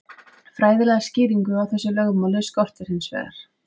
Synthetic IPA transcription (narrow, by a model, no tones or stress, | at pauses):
fɾaːjðɪlɛɣascɪːðiŋkʏawθɛsːʏlœɣmalʏskɔr̥t̪ɪɾ̥hɪnsvɛ̰ːɣa̰ɾ̥